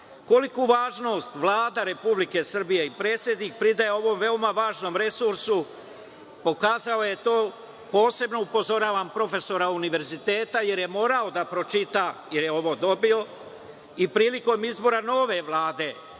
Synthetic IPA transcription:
ko̞likuʋaːʒno̞ːst̪ʋlˠaːd̪aɾe̞publike̞sr̩bije̞ipɾe̞ːt̪sʲje̞d̪nik̚pɾid̪ajeo̞ʋo̞ːmʋe̞omaʋaːʒno̞ːmɾe̞suɾsu | po̞kaːzaoje̞t̪o̞ː | po̞ːse̞bnoupo̞zo̞ɾaːʋampɾo̞fe̞so̞ɾauniʋe̞ɾzit̪e̞ːt̪aje̞ɾjemo̞ːɾao̞d̪apɾo̞t͡ʃit̪aje̞ɾjeo̞ʋo̞ːd̪o̞bio̞ | ipɾiːliko̞mizbo̞ɾano̞ːʋe̞ʋlˠaːd̪e̞

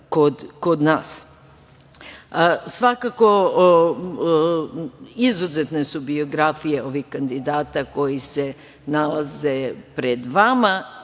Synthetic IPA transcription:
kod̪kod̪naːs | sʋakako | izuzet̪ne̞subio̞ɡɾafijeo̞ʋihkand̪id̪aːt̪ako̞jise̞ | nalazepɾed̪ʋama

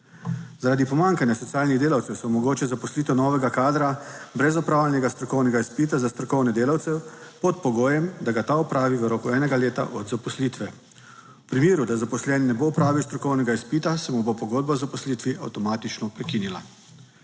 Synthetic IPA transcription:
zaɾaːd̪ipɔmaŋkanjasɔt̪sijaːlniɣd̪eːlawt̪sɛwsɔmɔɡoːt͡ʃɛzapɔsliːt̪ɛnɔːʋɛɡakaːd̪ɾabɾɛzɔpɾaːwlʲɛnɛɡast̪ɾɔkɔwnɛɡaispit̪azast̪ɾɔkɔwnɛd̪eːlawt̪sɛpɔt̪pɔɡoːjɛmd̪aɡat̪aɔpɾaːʋiʋəɾɔːkuɛːnɛɡaleːt̪a̰ʔɔd̪zapɔslit̪ʋɛ | wpɾimeːɾud̪azapɔslɛnɛnɛbopɾaːʋiwst̪ɾɔkɔwnɛɡaispit̪asɛmubopɔɡoːd̪̚bazapɔslit̪ʋiʔa̰wt̪ɔmaːt̪it͡ʃnɔpɾɛkinila̰

